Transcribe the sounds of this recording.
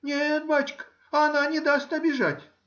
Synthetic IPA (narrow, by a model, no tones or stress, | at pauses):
nʲet̪bat͡ɕkə̥ | ɐnanʲɪd̪asʲt̪ʲɐbʲɪʐatʲ